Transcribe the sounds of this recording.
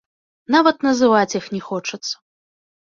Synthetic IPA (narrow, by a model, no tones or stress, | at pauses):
navɐt̪nɐzɨvat͡sʲjixnʲɛxɔt͡ʂɐt̪sːɐ̥